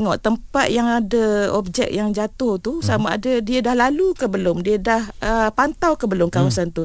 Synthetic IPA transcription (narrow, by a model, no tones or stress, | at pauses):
ŋɔʔt̪əmpat̪̚jaŋadaɔp̚d͡ʒɛ̰k̚jaŋd͡ʒat̪ʊht̪usamaadadiadahlalukəbəlʊmdiadahəpant̪awkəbəlʊmkawasant̪u